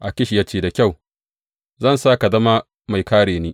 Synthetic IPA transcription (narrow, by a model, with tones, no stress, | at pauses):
ʔa˨kʲɪ˦ʃi˨ja˦t͡ʃeː˦˨da˨kʲa˦˨w | zɐ˦˨nsaː˦ka˨zɐ˦ma˦ | ma˨jkaː˦ɽeː˨neː˦